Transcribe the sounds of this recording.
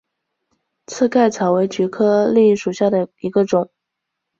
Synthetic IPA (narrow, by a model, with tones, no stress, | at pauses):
t͡sʰɹ̩˥˧ka˥˩ɪt͡sʰɑ˨˩ʊwe˧˥ɪt͡ɕy˧˥kʰɤ˥li˥˩ʂu˨˩ɕja˥˩d̪ə˩i˧˥ɡə˧ʈ͡ʂʊ˨˩˦ŋ